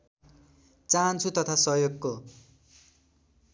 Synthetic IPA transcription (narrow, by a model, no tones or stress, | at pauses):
t͡sant͡sʰut̪ʌt̪ʰasʌjoɡko